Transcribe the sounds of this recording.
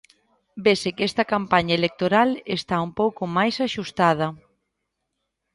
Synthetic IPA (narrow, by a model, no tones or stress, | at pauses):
besɪkɛst̪ɐkampaɲɐelek̚t̪oɾalest̪aumpowkomajsaʃust̪að̞ɐ